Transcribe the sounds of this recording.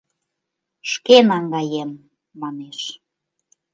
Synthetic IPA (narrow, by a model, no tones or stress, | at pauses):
ʃkenɑŋɡɑjemː | ɑneʃ